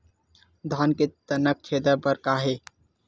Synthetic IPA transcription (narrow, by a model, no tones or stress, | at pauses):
d̪ʱaːnket̪ənəkːʰeːd̪əbəɾkaːɦeː